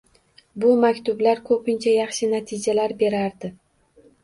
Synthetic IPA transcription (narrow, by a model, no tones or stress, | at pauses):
bʊmakʲt̪ʊblaɾkʰɵpɪnt͡ʃʰajɑχʃɪnat̪ʰɪd͡ʒalaɾbe̞ɾaɾd̪ɪ